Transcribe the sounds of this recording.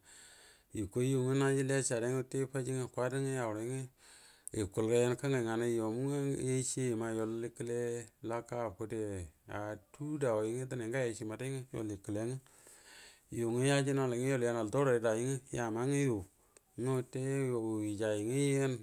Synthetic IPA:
i˨ko˦ju˨ŋi˦na˦d͡ʒi˦le˦t͡ʃa˨ɾe˦ŋo˦tːe˦pa˦t͡ʃi˦ŋ˨kwa˦di˦ŋi˦ja˨wɾŋi˦ | e˨kʊ˨lka˦je˦nka˦ŋɡa˨ŋa˨na˦jo˨mu˦ŋ˦e˦t͡ʃe˦i˨ma˦jo˨li˦kːi˦le˦la˦ka˦˨ko˦de˨a̰˨tu˦da˨o˨ɪ˦ŋi˦t̬a˦ne˨ŋɡa˦je˨ʃi˨ma˨da˦ŋi˦jo̰˨li˨kə˨le˨˦ŋi˦˨ | ju˨ŋi˦ja˦d͡ʒi˦no˦le˨ŋi˦jo˦˨lja˦ŋa˨lto˦ɾo˨e˨˦da˨jɪ˦ŋi˦ja˨ma˦ŋi˦ju˨ | ɲo˦te˦˨i˨t͡ʃa˨jɪ˨ŋi˦je˦n

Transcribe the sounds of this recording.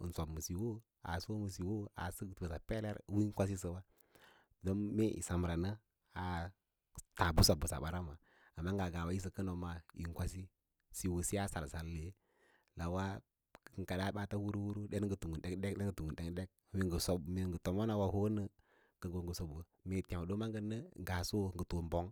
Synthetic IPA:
n˨sa˨bmə˨si˨wo˦ | a̰˨so˦mə˨si˨wo˦a̰˨sə˦ɡtə˨sa˨pe˦le˦ɾwi˦kʷa˦s̬i˦sə˨wa˦ | do˦mme˦ʔḭ˨sa˨m˨ɾa˨nə˦ | a˨ | ta˨bu˦so˨bə˨sa̰˨ɓa˨˦ɾa˦ma˨ | a˨mːa˦ŋɡa˨ɡa˨wa˨˦i˦s̬ə˨kə˦no˨ma˨ḭ˨ŋ˦kʷa˦si˦ | si˨wo˨si˦a˦sa̰˨ɾsa˨lle˦ | la˨wa˦˨ | ŋ˨ka˨da˦ɓa˦ta˦wu˦ɾu˦wu˦ɾu˦de˦n˦ɡə˨tu˨ŋɡu˨nde˦kde˦de˦ɡə˨tu˨ŋɡu˨nde˦kde˦k̚e˨ɡə˨so˨me˨ŋɡə˨to˨mo˦na˨wa˦ho˦nə˦ | ɡə˨ɡo˨ŋɡə˨so˨bə˨ | me˨ta˨do˦ma˦ŋɡə˦˨nə˦ŋ˦ɡa˨so˦˨ŋɡə˨to˨mbo˦ŋ

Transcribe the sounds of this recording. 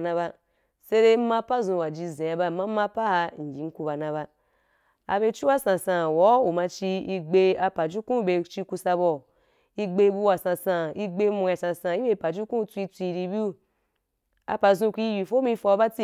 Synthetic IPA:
nã˧ba˧ | se˦ɾe˦mã˧pa˦zũ˧wa˨d͡ʒi˧zẽ˨a˧ba˦˨ma˦ma˦pa˦ha˧ŋ̩˨ɡʲi˨˦ŋ̩˦ku˧ba˨nã˧βa˧ | a̰˧be˧t͡ʃu˦wa˦sã˨sã˧wɔ˨˦u˨ma˧t͡ʃi˧i˧ɡ͡be˧a˧pa˨d͡ʒu˦kũ˦be˧t͡ʃi˧ku˧sa˧bɔ˨ | i˧ɡ͡be˧bu˧wa˨sã˧sã˧i˧ɡ͡be˧˦mu˧ja˨sã˧sã˧i˦be˧˦pa˨d͡ʒu˦kũ˦t͡sʷi˧t͡sʷi˧ɾi˧bi˦u˦ | a̰˧pa˧zũ˧kʷi˧˦˧ji˧fo˦mĩ˧fɔ˧˦ba˦t͡si˦˨

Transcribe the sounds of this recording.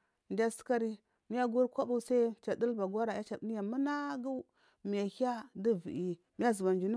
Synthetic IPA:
n˨dʲa˦sə̥˦ka˦ɾi˦ | mi˦ja˦ɡu˦ɾkʷa˦bu˦˨sa˦t͡ʃa˨də˦lba˨ɡwa˦ɾa˨ja˦t͡ʃa˨˦ni˦ja˨mə˦na˦ɡu˦ | mi˨ja˨ha˦di˦vi˨ʔi˨ | m˦ja˦zu˨ba˨n˨d͡ʒu˨n˦

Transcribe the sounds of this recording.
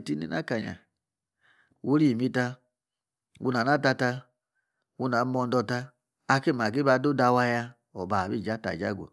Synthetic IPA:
ti˦nḭ˨na̰˦ka˨ɲa̰˨ | wu˦ɾi˦˨mi˦ta˧ | wṵ˦na˨na˦ta˧ta˧ | wu˦na˨˦mɔ˧n˦dɔ˧ta˧ | a˦ke˦˨ma˨ɡe˦ba˨˦do˦da˧wa˧ja˧ | ɔ˨ba˨bi˦˨d͡ʒa˦ta̰˨d͡ʒa̰˦˨ɡʷo̰˨

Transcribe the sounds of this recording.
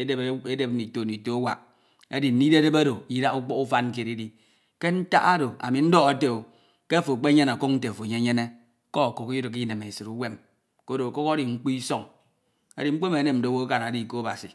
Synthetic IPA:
e˦e˦e˦de˨pni˨to˨ni˨to˦a˦wa̰˨k | e˦di˨n̩˦ni˦de˦de˦ba˦do˨i˦da˦u˦k͡pɔ˦ku˦fa˦n̩˦ke˨ɾi˦di˦ | ke˦n̩˦ta̰˦ʔa˦do˨a̰˨mi˨n̩˦dɔ˦ɣa˨˦te˦˨o˨ | ke˦a˦fo˨k͡pe˦ɲe˦na˨ko˦k̚n̩˦te˨fo˨ɲe˦ɲe˦ne˦ | kɔ˦˨ko˨ki˦ju˦ɾi˨ki˦ne˨me˨sɨ˨ɾu˦we˦m | ko˦do˨ko˦ka˦ɾi˨ŋ͡m̩˦k͡pu˦i˦so˦ŋ | a̰˨di˨ŋ͡m̩˦k͡pe˦me˨˦ne˨m̩˨do˨˦wo˦ka˨na˨di˦˨ko˦a˦ba̰˨si˨

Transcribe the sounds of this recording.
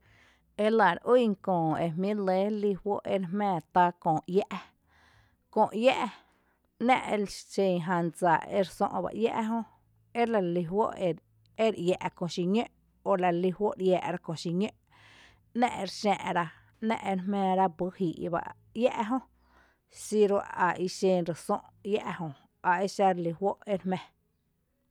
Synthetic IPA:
e˧la˨ɾiː˦˨ŋkõː˨e˧mmĩ˦le˨˦li˧hwo˦ʔe˧ɾɦmɛ̃ː˧˨t̪a˧kõː˨ja˦ʔ | kõː˧˨ʔja˦ʔ | nɛ̃˦ʔe˧lt͡ʃẽ˧˨ɦã˧nd͡za˨ḛ˧˦ɾsõ̰˧ʔba̰˧ʔja̰˦ʔɦõ˦ | e˦la˧li˧wo˦ʔe˧ | e˦ɾʔja˧˨ʔkõ˧˨ʃi˧ɲø˦ʔ | o˧˨la˧˨li˧hwo˦ʔɾjaː˧ʔɾa˦kõ˧˨ʃi˧ɲø˦ʔ | nɛ̰̃˦ʔe˧ɾʃɛ̃ː˧ʔɾa˧ | nɛ̰̃˦ʔe˧ɾɦmɛ̃ː˧ɾa˦bu˦hiː˨ʔba̰˧˨ʔ | ja˦ʔɦõ˦ | si˧ɾo˧a˨ʔi˧ʃẽ˧ɾe˨sõ˦ʔja˦ʔhõ˧ | a˨ʔe˦ʃa˧ɾli˧hwo˦ʔe˦ɾhmɛ̃˧

